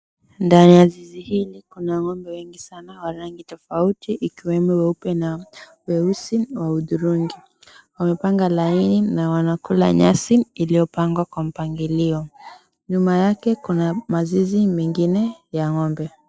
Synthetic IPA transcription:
ndanijazizihilikunaŋɔmbɛwɛŋɡisanawaɾaŋɡitɔfautiʔikiwɛmuwɛupɛna | wɛusiwauðuɾuŋɡi | wamɛpaŋɡalaininawanakula̰ɲasiilijɔpaŋɡwakwam̩paŋɡiliɔ | ɲumajakɛkunamazizimɛŋɡinɛjaŋɔmbɛ

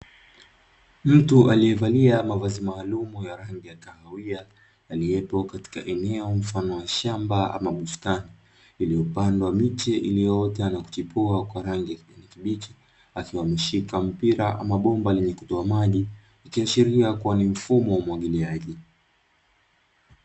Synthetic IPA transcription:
m̩tuʔaliɛvaliamavazimaːlumujaɾaŋɡijakahawiaː | liɛpɔkati̥ka̰ʔɛnɛɔm̩fanɔwaʃambaa̰maɓustani | iliɔpandwamit͡ʃɛʔilijɔjɔtɛanaku̥t͡ʃipuakwaɾaŋɡijaanikiɓit͡ʃɛ̥ | akiwamiʃikam̩piɾaʔa̰maɓɔmbalɛɲɛku̥tɔamaʄi | akiaʃiɾiakuwanim̩fumɔwamwaɠiliaʄi

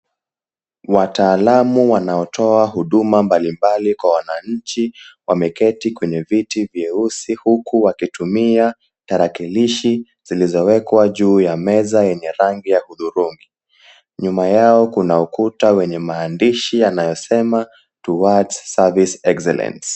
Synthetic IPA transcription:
wataːlamuwanaɔtʰɔaɦuɗumambalimbalikwawanaɲ̩t͡ʃiwamɛkɛtikwɛɲɛvitivjɛusihukʰuwakitumia | taɾakiliʃi | z̥ilizɔwɛkwaʄuːjamɛzajɛɲɛɾaŋɡijahuðuɾuŋɡi | ɲumajaɔkunaukutawɛɲɛmaːndiʃijanajɔsɛma | tuwatsːavisɛksɛla̰ns

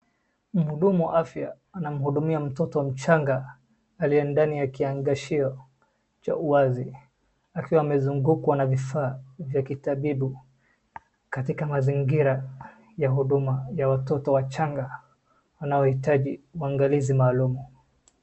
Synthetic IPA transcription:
m̩huɗumuwa̰ʔafjaː | nam̩huɗumiam̩tɔtɔwam̩t͡ʃaŋɡaː | lijɛndanijakiaŋɡaʃiɔ | t͡ʃa̰uwazi | akiwaːmɛzuŋɡukwanavifaːvjakitaɓiɓu | katikamaziŋɡiɾa | jahuɗumajawatɔtɔwat͡ʃaŋɡa | wanaɔhitaʄiuaŋɡalizimaːlumu

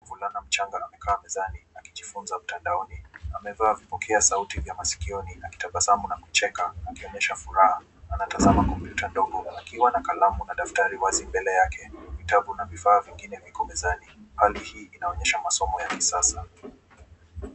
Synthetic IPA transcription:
vulanam̩t͡ʃaŋɡaːmɛkʰaːmɛzaniakiʄifunzam̩tandaɔniamɛvaːvipɔkʰɛasautivjamasi̥kiɔniaki̥taɓasamunaku̥t͡ʃɛkaːkiɔɲɛʃafuɾaha | anatazamakɔmpjutandɔɡɔakiwanakalamunaɗaftaɾiwazimbɛlɛjakʰɛvitavunavifaːviŋɡinɛvikɔmɛzanihalihiːʔinaɔɲɛʃamasɔmɔjakisasa

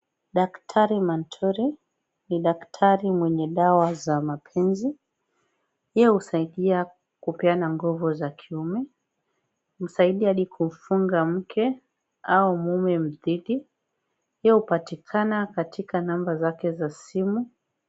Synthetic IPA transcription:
ɗaktʰaɾimantʰɔɾi | niɗaktʰaɾimwɛɲɛɗawazamapʰɛnzi | jɛhusaiɗia | kupɛanaŋɡɔvɔzakʰiumɛ | m̩saiɗiaɗikʰum̩fuŋɡam̩kʰɛ | aumumɛm̩ðiɗi | jɛhupatikʰanakatikanambazakɛzasimu

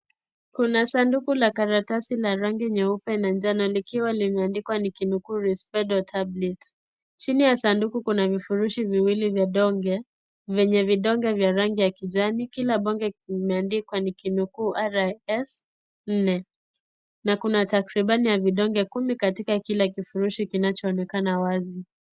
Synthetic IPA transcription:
kunasandukulakaɾatasilaɾaŋɡiɲaupɛnand͡ʒanɔlikiwalimɛandikwanikinukuːɾispɛɗɔtʰablɛt | t͡ʃinijasandukukunavifuɾuʃiviwilivjaɗɔŋɡɛ | vɛɲɛviɗɔŋɡɛvjaɾaŋɡijakid͡ʒanikilaɓɔŋɡɛimɛandikwanikinukuaɾaɛs | n̩nɛ | nakunatakɾiɓanijaviɗɔŋɡɛkumikatikakilakifuɾuʃikinat͡ʃɔːnɛkanawazi

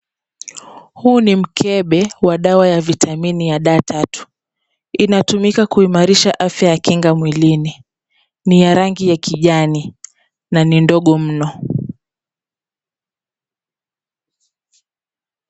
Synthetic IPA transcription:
huːnim̩kʰɛɓɛwaɗawajavitʰaminijaɗaːtʰatu̥ | inatumikakuimaɾiʃaʔafjajakiŋɡamwilini | nijaɾaŋɡijakiʄani | nanindɔɠɔm̩nɔ

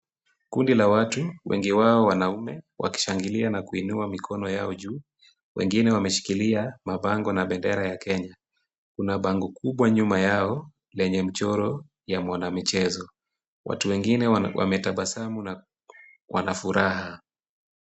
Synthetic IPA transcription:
kundilawatuwʔɛ̰ŋɡiwaɔwanaumɛwʔa̰ki̥ʃaŋɡilianakuinuamikʰɔnɔjaɔʄuː | wʔɛ̰ŋɡinɛwamɛʃi̥kiliamaɓaŋɡɔnaɓɛndɛɾajakɛɲa | kunaɓaŋɡɔkuɓwaɲumajaɔ | lɛɲɛm̩t͡ʃɔɾɔ | jamwanamit͡ʃɛzɔ | wʔa̰tuwɛŋɡinɛwʔa̰mɛtaɓasamuna | wa̰nafuɾaɦa

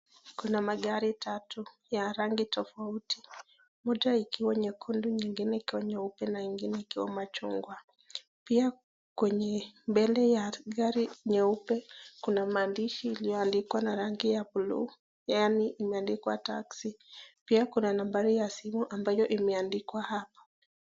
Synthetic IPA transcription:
kunamaɠaɾitʰatu | jaɾaŋɡitɔfauti̥ | mɔʄaikiwaɲɛkʰɔnduɲiŋɡinɛikiwaɲɛupɛnaiŋɡinɛikiwa̰mat͡ʃɔŋɡwa | pia | kwɛɲɛmbɛlɛjaɡaɾiɲɛupɛkunamaːndiʃiːlijɔandikwanaɾaŋɡijapulṵː | janiʔimɛandikwa̰taksipiakunanambaɾijasimuʔambajɔʔimɛandikwahapḁ

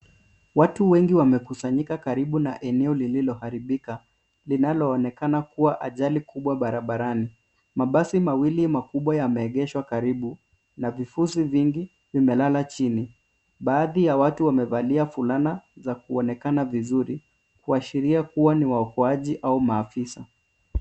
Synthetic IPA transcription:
watuwɛŋɡiwamɛkusaɲikakaɾiɓunaʔɛnɛɔlililɔhaɾiɓika | linalɔːnɛkanakuwaʔaʄalikʰuɓwaɓaɾaɓaɾani | maɓasimawilimakuɓwajamɛːɠɛʃwakaɾiɓu | navifusiviŋɡi | vimɛlalat͡ʃini | ɓaːðijawatuwamɛvaliafulanazakuɔnɛkanavizuɾi | kuaʃiɾiakuwaniwaɔkɔaʄiʔaumaːfisa

